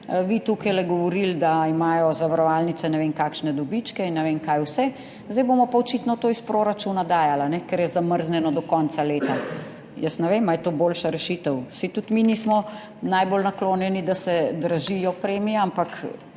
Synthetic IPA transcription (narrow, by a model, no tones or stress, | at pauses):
ʋit̪ukajlɛɡɔʋɔɾild̪aimaːjɔzaʋaɾɔʋaːlnit̪sɛnɛʋeŋkaːkʃnɛd̪ɔbit͡ʃkɛinːɛʋeŋkajwsɛ | zd̪ɛjboːmɔpaɔt͡ʃit̪nɔt̪oːispɾoɾat͡ʃunad̪aːjalanɛkɛɾjɛzaməɾznɛnɔd̪ɔkɔnt̪saleːt̪a | jəsnɛʋemajɛt̪oːboːlʃaɾɛʃit̪əwsit̪ut̪minismɔ | najbolnakloːnjɛnid̪asɛd̪ɾaʒijɔpɾeːmijaampak